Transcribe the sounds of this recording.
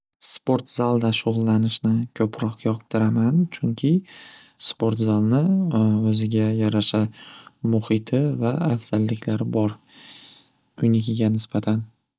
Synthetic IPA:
spo̞ɾt̪z̥alˠd̪aʃʊʁʊlˠːanɪʃnɪkʲʰɵpʰɾɒqʰjɒqt̪ʰɪɾamant͡ʃʰʊŋkʲʰɪspo̞ɾt̪zalˠnɪɵzɪɡʲajaɾaʃamʊhɪt̪ʰɪvaafz̥alːɪkʲlaɾɪbɒɾ | ʊjnɪɡʲɪɡʲanɪsbat̪ʰan

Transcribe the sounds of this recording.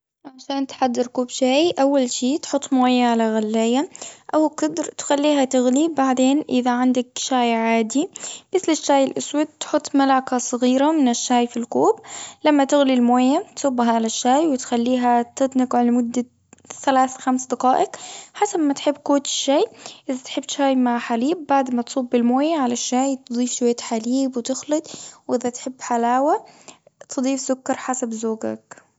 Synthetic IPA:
ʕaʃaːnt̪ħad̪ːɪɾkuːbʃaːjʔawːalʃiːt̪ħʊt̪ˤːmoːjaʕalaɣalːaːjaʔawqɪd̪ɾt̪xalːiːɦat̪ɪɣlibaʕd̪eːnʔɪðaʕɪnd̪akʃaːjʕaːd̪imɪθlɪʃːaːjɪlʔʊswad̪̚t̪ħʊt̪ˤːmalaːkasˤɣiːɾamɪnɪʃːaːjfilkuːblamːat̪ɪɣlilmoːjːat̪sʊbːɦaʕalaʃːaːjwɪt̪xalːiːɦat̪ɪt̪ˤnɪqʕalamʊd̪ːa | θalaːθxamsd̪ɑqɑːʔɪkħasabmat̪ħɪbːkuːt̪ʃːaːjʔɪðat̪ħɪb̚t̪ʃaːjmaʕħaliːb̚ːaʕd̪mat̪sˤuːbːɪlmoːjaʕalaʃːaːjt̪ɨd̪ˤiːfʃwajːt̪ħaliːbwt̪ɪxlɨd̪wʔɪðat̪ħɪbːħalaːwa | t̪ɨd̪ˤiːfzʊkːɑɾˤħasabzoːɡa̰k

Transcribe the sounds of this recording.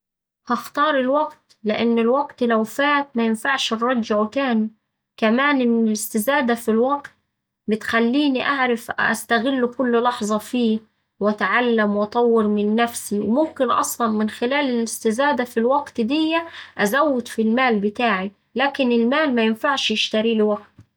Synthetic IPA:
hɑxt̪ɑːɾˤɪlwaɡt̪lɪʔanːɪlwaɡt̪lawfaːt̪̚mæjɪnfaʕʃrˤːɑd͡ʒːʕwɪt̪aːni | kamaːnʔɪnːɪlɪst̪ɪzaːd̪afilwɑɡt̪̚ | bɪt̪xalːiːniʔaʕɾafʔa̰st̪aɣɪlːkʊlːlɑħzˤɑfiː | wʔat̪ʕalːamwʔɑt̪ˤɑwːɪɾmɪnːæfsiwmʊmkɪnʔɑ̰sˤlɑnmɪnxɪlaːlɪlɪst̪ɪzaːd̪afilwaɡt̪d̪ɪjːaʔazawːɪd̪filmaːlbɪt̪aːʕi | laːkɪnɪlmaːlmæjɪnfaʕʃjɪʃt̪aɾiːlɪwaɡt̪

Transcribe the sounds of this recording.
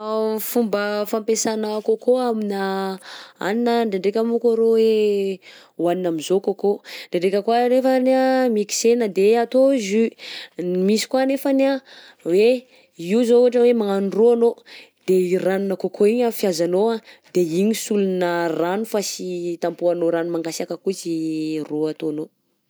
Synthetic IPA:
fumbəfampesanəkokʰoamina | a̰ninəɳɖ͡ʐeɳɖ͡ʐekʲamukaɾowe | uwaninamizokokoɳɖ͡ʐeɖ͡ʐekʲəkwaɾefənamiki̥senəd̪eat̪ozy | misi̥kwanefana | we | iwzouʈ͡ʂəwemaŋaniroano | d̪eiranunəkokʰoiɲafjazanoad̪̥eiɲisulunəranufasit̪ampuanoɾanumaŋɡasiakəkuziroat̪oano

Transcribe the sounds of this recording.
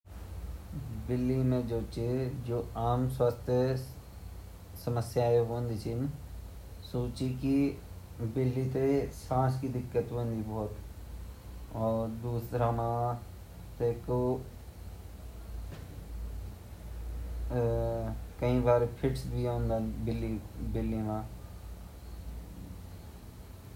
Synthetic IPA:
bɪlːimẽd͡ʒoːt͡ʃed͡ʒoːaːmswaːst̪ʰjə | səməsjaːjeɦond̪it͡ʃʰin | soːt͡ʃiki | bɪlːit̪esãːskid̪ɪkːət̪ɦũnd̪ibɔːt̪ | ɔːɾd̪uːsɾamã | t̪eko | kɐĩbaːɾpʰɪʈsbʱiõːnd̪abɪlːibɪlːimãː

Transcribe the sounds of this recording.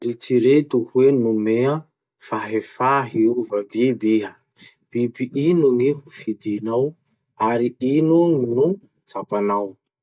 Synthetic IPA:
rit͡siɾet̪uhwenumea | faɦefaɦiuvəbibeɦə | b̥ibiʔinuŋiɦufid̪inaw | aɾiinuŋinu | t͡sapanaw

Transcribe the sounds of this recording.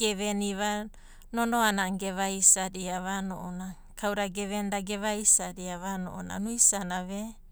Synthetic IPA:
ɡeβeniβa | nonoanaŋɡeβajsadiaβano̰ʔona | kʰawɾaɡeβendaɡeβajsaɾiaβano̰ʔona̰nuisanaβe

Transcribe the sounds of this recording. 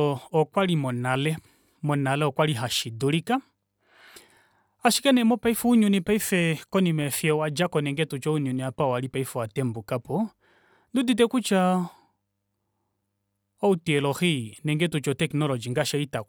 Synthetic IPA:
ɔɔkwalimɔnalɛ | mɔnalɛɔkwaliɦaʃiduɾika | aʃi̥kɛnɛmɔpaifuuɲunipaifɛkɔnimɛfjɔwad͡ʒakɔnɛŋɡɛtut͡ʃɔuɲuniapaɔaɾipaifɔwatɛmbukapɔ | ndudit̬ɛkut͡ʃa | ɔutiɛlɔxinɛŋɡɛtut͡ʃɔtɛknɔlɔd͡ʒiŋɡaʃaita

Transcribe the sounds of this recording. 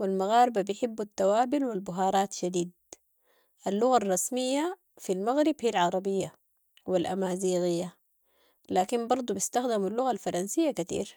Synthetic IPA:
wilmaɣaːɾbabijħɪbːat̪ːawaːbilwilbʊɦɑːɾˤɑːt̪ʃad̪iːd̪̚ | ʔalːʊɣarˤːɑsmijːa | filmaɣɾibhiːalʕɑɾˤɑbijːa | wilʔamaːziːɣɪjːa | laːkimbɑɾˤd̪ˤubist̪axd̪amalːʊɣalfɑɾˤɑnsijːakat̪ḭːɾ

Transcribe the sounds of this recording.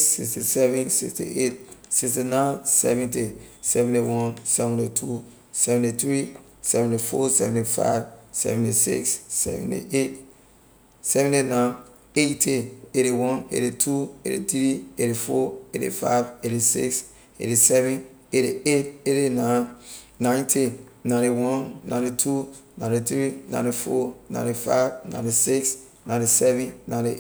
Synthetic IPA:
sikstisɛvɛ̃nsḭkstḭʔet̚sikstinãnsɛ̰vɛ̃ntesɛvɛ̃ntewɔ̃nsɛvɛ̃ntetʰu | sɛvɛ̃ntiθɹi | sɛvɛ̃ntifɔsɛ̰vɛ̃ntifa̰ɪvsɛ̰vɛ̃ntisḭkssɛ̰vɛ̰̃ntḭet̚ | sɛvɛ̃ntinãɪn | etʰeeɾiwɔ̃nḛɾitʰuḛɾḭθɹieɾifɔeɾḭfa̰ɪveɾisḭks | ḛɾisɛvɛ̃neɾieteɾinã | nãɪ̃ntʰinãɪniwɔ̃nːã̰ɪ̃nitʰunãntiθɹinã̰ɪ̃nifɔnã̰j̃ntifa̰ɪvnã̰ɪ̃tisiks | nãɪ̃ntisɛvɛ̃nːãntiʔ

